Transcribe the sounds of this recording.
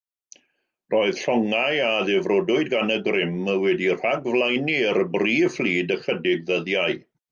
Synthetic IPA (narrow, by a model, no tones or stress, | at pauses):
rʔoːɨð̥ɬɔŋajaðɛvrɔdʊɨdɡanəɡrɪməwɛdir̥aɡvlˠajniɾəbriːflˠiːdəχədɪɡðəðjaɨ